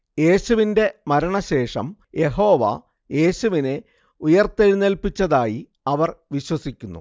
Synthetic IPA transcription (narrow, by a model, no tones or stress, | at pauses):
je̞ːɕuʋinde̞mɐɾɐɳɐɕe̞ːʂɐ̰m | je̞ɦo̞ːʋɐ̰ | je̞ːɕuʋine̞ | ujɐrt̪eɻinelpit͡ɕːɐðaːji | ɐʋɐrʋiɕwɐsikʲːunːṵ